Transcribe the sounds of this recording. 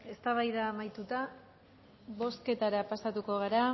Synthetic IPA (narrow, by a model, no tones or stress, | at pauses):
e̞st̪aβajðaːmajt̪ut̪a | βo̞ske̞t̪aɾapasat̪uko̞ɣaɾa